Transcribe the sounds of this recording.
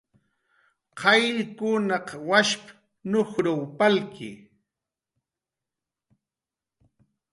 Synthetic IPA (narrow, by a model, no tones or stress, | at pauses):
qʰɑjlɪkʊnaqwaʃp | noxɾawpalkɪ̰